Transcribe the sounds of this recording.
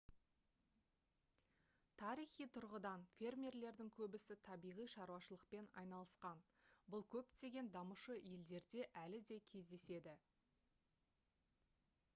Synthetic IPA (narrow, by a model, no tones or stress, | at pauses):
t̪ʰɑɾijχijt̪ʰʊɾʁəd̪ɑnfʲe̞rmʲeɾle̞ɾd̪ɪŋkʲʰɵbɪsɪt̪ʰɑbijʁijʃɑɾuɑʃəlˠəq̚pe̞nɑ̰jnɑlˠəsqɑn | bʊlˠkʲʰɵp̚t̪e̞ɡʲe̞nd̪ɑməʃəje̞ld̪e̞ɾd̪e̞ʔælɪd̪e̞kʲʰe̞zd̪e̞se̞d̪ɪ